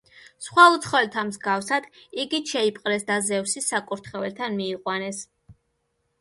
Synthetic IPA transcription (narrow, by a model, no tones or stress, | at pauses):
sχwaut̪sʰχɔɛlt̪ʰamzɡafsad̪̥iɡiʃɛipʼqʼlɛsd̪azɛfsisakʼuɾt̪ʰχɛvɛlt̪ʰanmiːqʼwanɛs